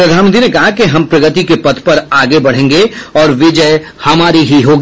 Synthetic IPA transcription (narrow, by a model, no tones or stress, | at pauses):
pɾɐd̪ʱaːnmə̃nt̪ʰɾinekɐɦakeɦɐmpɾɐɡət̪ikepɐt̪ʰpɐɾaːɡebɐɽ̤ẽːŋɡeɔːɾʋɪd͡ʒə | hɐmaːɾiɦiɦoːɡi